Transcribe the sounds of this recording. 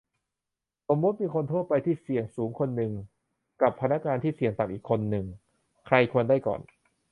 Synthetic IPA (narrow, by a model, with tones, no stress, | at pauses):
so˩˦mːu˦˥t̪̚miː˧kʰo˧nt̪ʰoː˥˩t̪̚pa˧jt̪ʰiː˥˩si˨˩əŋsuː˩˦ŋkʰo˧nːɯ˨˧ŋ | ka˨˩pʰːa˧na˦˥kŋaː˧nt̪ʰiː˥˩si˨˩˦əŋt̪a˨˩mʔiː˨˩kʰːo˧nːɯ˨˧ŋ | kʰɾa˧jkʰu˧əndaː˥˩jkɔ̰ː˨˩n